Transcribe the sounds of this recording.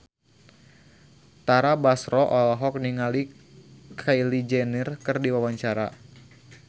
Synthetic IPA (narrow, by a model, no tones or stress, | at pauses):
t̪aɾabasɾɔʔɔlaɦɔk̚niŋali | kʰajlid͡ʒɛnirkɨrdiwawaɲt͡ʃaɾa̰